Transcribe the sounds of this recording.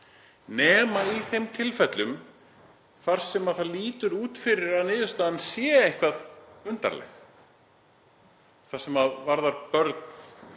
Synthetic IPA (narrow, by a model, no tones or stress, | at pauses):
nɛːmaiθejmt̪ʰɪlfɛt̪lʏm | θaɾ̥sɛmaðθaðliːt̪ʏɾuːt̪fɪɾɪɾaðnɪːðʏst̪aːðansjɛːejhkvaðʏnt̪a̰ɾlɛ̰x | θḁsɛmaðvaɾðaɾpœɾt̪n̥